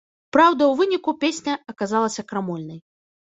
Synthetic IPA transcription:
pɾawd̪ɐwvɨnʲikupʲesʲnʲɐɐkazalˠɐsʲɐkɾamɔlʲnɐj

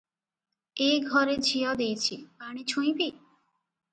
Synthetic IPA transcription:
eɡʱɔɾed͡ʒʱijɔd̪ejt͡ʃʰibaɽ̃it͡ɕʰũj̃pi

